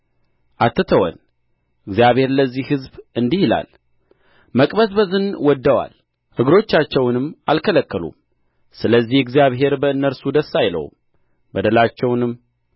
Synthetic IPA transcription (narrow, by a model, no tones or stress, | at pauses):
ʔat̪ːɨt̪ʰəwɔ̰n | ʔɨɡzijaβhe̞ɾləzːihhɨzbɨnd̪ihila̰l | məkʼbəsbəzɨnwɔd̪ːəwa̰l | hɨɡɾo̞t͡ʃːat͡ʃːɛwnɨmːalkʰələkːəlṵm | sɨləzːihɨɡzjaβɦe̞ɾbəɨnːəɾsud̪əsːajlə̰wm | bəd̪əlat͡ʃːɛwnɨmː